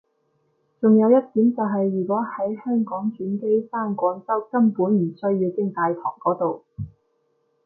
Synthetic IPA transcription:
t͡sʊ˨ŋjɐ˨˧wjɐ˥t̚t̪iː˨˥mt͡sɐ˨wɦɐ˨jːyː˨˩kɔː˨˥hɐ˨˥jhœː˥ŋkɔː˨˥ŋt͡ʃyː˨˥nke˥jsaː˥nkʷɔː˨˥ŋt͡sɐ˥wkɐ˥npuː˨˥nm̩˨˩sɵ˥ɥjiː˧wkɪ˥ŋt̪aː˨jt̪ʰɔ̰ː˨˩ŋkɔː˨˥t̪o˨w

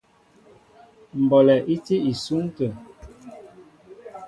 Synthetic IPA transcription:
m̩˨bɔ˨lɛ˨ʔi˦te˦i˨su˦ŋtə˨

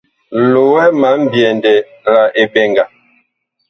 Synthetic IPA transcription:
lo˨wɛ˦ma˨˦m̩˦bjɛ˨ndɛ˨ | la˨ʔe˨bɛ˨ŋɡa˨

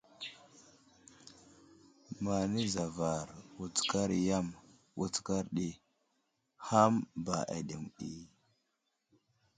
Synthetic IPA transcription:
ma˨ni˦za˨va˨ɾwu˨t͡ska˦ɾja˦m | wʔu˨t͡ska˦ɾɗi˦ | ha˦mba˨ʔa̰˨ɗi˨mɗi˨

